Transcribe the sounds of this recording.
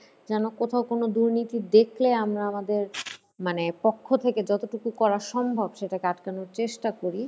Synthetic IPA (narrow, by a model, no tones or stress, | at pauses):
d͡ʑɛnokot̪ʰaokonod̪uɾnit̪id̪ekʰleamɾaamad̪eɾ | manepokʰːot̪ʰeked͡ʑɔt̪oʈukukɔɾaʃɔmbʱɔbʃeʈakeaʈkanoɾt͡ɕeʃʈakoɾi